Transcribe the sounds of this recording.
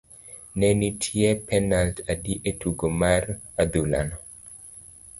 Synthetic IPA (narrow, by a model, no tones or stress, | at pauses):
nenitʰiepɛnaltʰadiʔetʰuɡomar | ad̪ula̰nɔ